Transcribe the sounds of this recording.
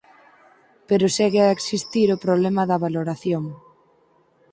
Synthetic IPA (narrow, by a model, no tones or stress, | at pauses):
peɾʊsɛɣeaeksist̪iɾopɾoβlɛmɐðɐβaloɾaθjoŋ